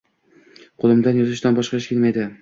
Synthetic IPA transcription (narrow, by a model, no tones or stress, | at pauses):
qʰolˠɪmd̪anjɒzɪʃt̪anbɒʃqɑʃkʲelmajd̪ɪ